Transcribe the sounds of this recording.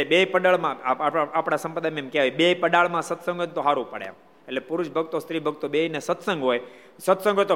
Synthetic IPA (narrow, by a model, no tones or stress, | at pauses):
bepəɗəɭmãapɽ̃asəmpəd̪amemkɛaiɓeipəɗaɭmãsət̪sə̃ŋɡʱɦojt̪oɦaɾũpəɽjã̰ | elepʊɾuʃbʱəɡt̪ost̪ɾibʱəɡ̚t̪oɓeinesət̪sə̃ŋɡɦoj | sət̪sə̃ŋɡʱɦojt̪o